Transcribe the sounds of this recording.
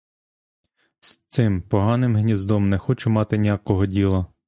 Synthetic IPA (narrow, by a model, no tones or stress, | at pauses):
st̪sɪmpɔɦɑnɪmɦnʲizd̪ɔmnɛxɔt͡ʃʊmɑt̪ɪnʲijakɔɦɔdʲilˠɐ